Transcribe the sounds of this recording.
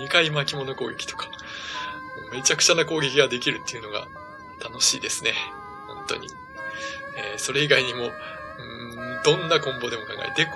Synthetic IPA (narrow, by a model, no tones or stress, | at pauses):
ɲikaimakʲimo̞no̞ko̞ːɡʲe̞kʲt̪o̞̥kḁ | me̞t͡ɕakɯ̟̥t͡ɕanako̞ːɡʲe̞kʲiɡad̪e̞kʲiɾɯ̟t̪ːe̞iɯ̟no̞ɡa̰ | t̪ano̞ɕḭːd̪e̞sɨne̞ | hõ̞nt̪o̞̰ɲ̟ḭ | eːso̞ɾe̞iɡaiɲ̟imo̞ | ɯ̃d̪õ̞nːakõ̞mbo̞d̪e̞mo̞kã̰ŋɡa̰et̪ːek